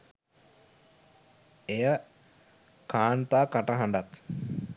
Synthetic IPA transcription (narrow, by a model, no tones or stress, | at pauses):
ejə | kaːnt̪aːkaʈəɦaɳɖat̪